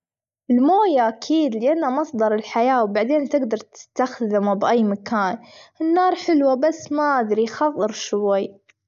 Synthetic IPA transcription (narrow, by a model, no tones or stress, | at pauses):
ʔɪlmoːjaʔakʰiːd̪lɪʔanːamɑsˤd̪ˤɑɾˤɪlħajaːwbaʕd̪eːnt̪ɪɡd̪ɑɾˤt̪ɪ̥st̪axd̪ɪmbʔajːmakaːnʔɪnːɑːɾˤħɪlwabasːmaʔad̪ɾixɑðˤːɨɾʃwajː